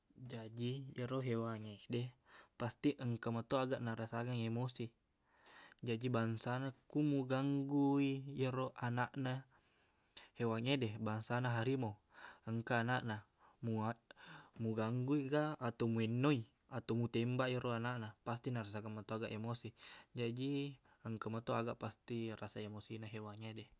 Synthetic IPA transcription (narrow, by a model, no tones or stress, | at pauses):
d͡ʒad͡ʒijeɾoɦewaŋedepast̪iʔəŋkamat̪oaɡaʔnaɾasaɡaŋemosi | d͡ʒad͡ʒibaŋsanakumuɡaŋɡuijeroʔanaʔna | hewaŋedebaŋsanaɦaɾimoəŋkaːnaʔna | muamuɡaŋɡuiɡaːt̪omuɛnːoi | at̪omut̪embaʔiɾoanaʔnapast̪inaɾas̬aɡaŋmat̪oaɡaʔemosid͡ʒadi | əŋkamat̪oaɡaʔpast̪irasaemosinaɦewaŋede